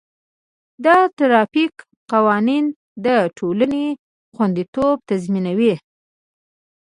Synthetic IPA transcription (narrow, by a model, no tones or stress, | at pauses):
d̪ɑt̪aɾɑfik | qawɑnin | d̪əʈʰoləne | xwand̪it̪ob̚t̪azminawi